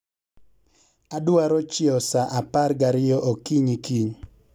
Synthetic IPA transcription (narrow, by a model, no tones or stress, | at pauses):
adwaɾɔt͡ʃɪɔsaʔaparɡaɾɪjɔʔokiɲikiɲ